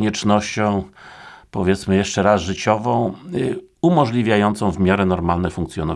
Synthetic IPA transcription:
ɲɛt͡ʂnɔɕt͡ɕɔ̃w̃pɔvʲjɛt̪smɘjɛʂt͡ʂɛɾasʐɘt͡ɕɔvɔ̃w̃ | umɔʐlʲivʲjajɔnt̪sɔ̃w̃vmʲjaɾɛnɔɾmalnɛfuŋkt̪sʲjɔnɔ

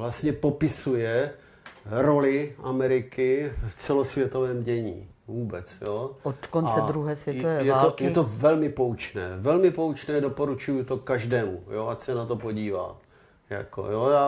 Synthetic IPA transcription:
vlast̪ɲɛpopɪsujɛ | ɾo̞lɪʔamɛɾɪkɪft͡sɛlo̞svjɛt̪ovɛːmɟɛɲḭː | vuːbɛt͡sjoːot̪kont͡sɛd̪ɾuɦɛːsʋjɛt̪ovɛːjɛat̪ːojɛt̪ovɛlmɪpowt͡ʃnɛ̰ːvɛlmɪpowt͡ʃnɛːdopo̞ɾut͡ʃujut̪o̞kaʒdɛːmujoʔacsɛnat̪o̞po̞ɟiːva̰ː | ja̰ko̰joːjaː

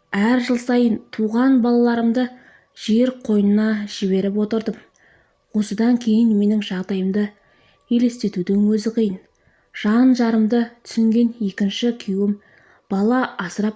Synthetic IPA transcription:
æɾʒəlˠsɑjənt̪ʰuʁɑnbɑlˠɑlˠɑɾəmd̪ə | ʒ̥eɾqʰo̞jənənɑʒ̥ɪβe̞ɾɪp̬wo̞t̪əɾd̪əm | wo̞səd̪ɑŋkʲʰe̞jɪnme̞nɪŋʒɑʁd̪ɑjəmd̪ə | e̞le̞st̪e̞t̪ud̪ɪŋwɵzɪqʰijən | ʒ̥ɑnʒɑɾəmd̪ət̪ʰʏ̥sɪŋɡʲe̞ne̞kʲɪnʃɪkʲʰewɪm | b̥ɑlˠɑɑsəɾɑp̚

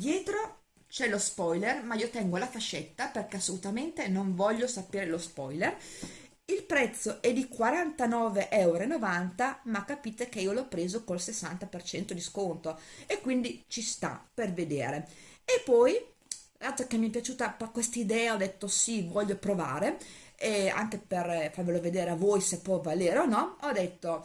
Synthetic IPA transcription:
d̪jɛːt̪ɾo | t͡ʃɛlospɔjlermaiːot̪ɛŋɡolafaʃːet̪ːaperkeasːolut̪ament̪enoɱvɔʎːosapeːɾelospɔjler | ilpɾɛt̪sːoʔɛd̪ikwaɾant̪anɔːveʔɛwɾoenovant̪amakːapiːt̪ek̟eiːolɔpːɾeːzokolsesːa̰nt̪apert͡ʃɛnt̪od̪iskont̪oekːwind̪it͡ʃist̪a̰perved̪ḛːɾeepːɔj | at̪okemːiɛpjat͡ʃuːt̪apakːwest̪aid̪ɛːaɔd̪ːet̪ːosivɔʎːopɾovaːɾeea̰ŋkeperfarveloved̪eːɾeavojsepːɔvaleːɾeonɔɔd̪et̪ːo

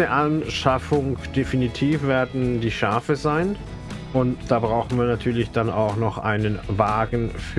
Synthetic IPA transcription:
əʔanʃafʊŋd̥efinitʰiːfv̥eːɐdn̩diːʃaɐfəzaɪn | ʔʊntd̥aːbʁaʊxn̩viːɐnatʰyːɐlɪçd̥anʔa̰ʊxnɔχʔa̰ɪnənvaːɡn̩f

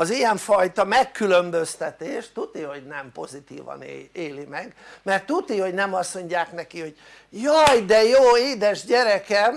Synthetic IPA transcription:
ɒzijɛɱfɒjt̪ɒmɛkːylømbø̞st̪ɛt̪eːʃt̪ut̪iho̞ɟnɛmpo̞zit̪ḭːvɒ̰neːlimɛɡmɛrt̪ːut̪iho̞ɟnɛmɒsmo̞ɲaːknɛkiho̞ɟ̥̚ | jɒjd̪ɛjoːeːd̪ɛʒɟɛɾɛkɛm

